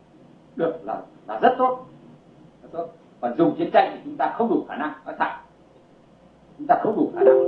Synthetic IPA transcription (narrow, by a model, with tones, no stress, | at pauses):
ɗɨ˨˩ək̚la̰ː˨˩laː˨˩zə˦˥t̚t̪o˦˥t̚ | zə˦˥t̚t̪o˦˥t̚ | vaː˨˩zʊ˨˩ŋ͡mt͡ɕi˨˦nt͡ɕa̰˧˨jŋt̪ʰi˨˩t͡ɕʊ˨˦ŋ͡mt̪aː˧xə˧wŋ͡mɗu˨˩xaː˧˩na˧ŋnɔ˨˦jt̪ʰa̰ː˧˨j | t͡ɕʊ˨˦ŋ͡mt̪aː˧xə˧wŋ͡mɗu˨˩xaː˧˩na˧ŋ